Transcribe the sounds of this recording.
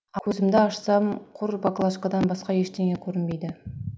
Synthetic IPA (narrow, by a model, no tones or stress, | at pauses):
ɵzɪmd̪ɪɑʃsɑmqʰʊɾbaklˠɑʃkɑd̪ɑnbɑsqɑje̞ʃt̪ʰeŋekʲʰɵɾɪnbe̞jd̪ɪ